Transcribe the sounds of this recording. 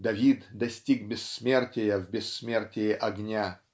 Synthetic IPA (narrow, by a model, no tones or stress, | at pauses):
d̪ɐvʲit̪d̪ɐsʲtʲiɡbʲɪsːmʲertʲɪjəvbʲɪsːmʲertʲɪjɪʔɐɡnʲa